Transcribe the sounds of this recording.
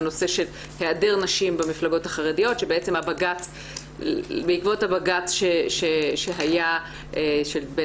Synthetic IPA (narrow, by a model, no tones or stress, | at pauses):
no̞se̞ʃe̞l | heade̞ʁnaʃimbemiflaɡo̞thaχaʁedijo̞tʃebeet͡se̞mabaɡat͡s | beikvo̞thabaɡat͡sʃeʃeʃeɦaja | ʔeʃelbe